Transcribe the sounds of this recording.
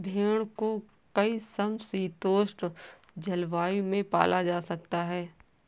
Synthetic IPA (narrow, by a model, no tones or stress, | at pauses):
bʱeːɽ̃ko | kɐisəmsiːt̪oːʃʈ | d͡ʒɐlʋaːimẽpa̰ːlʔad͡ʒaːsɐk̚t̪aɦɛː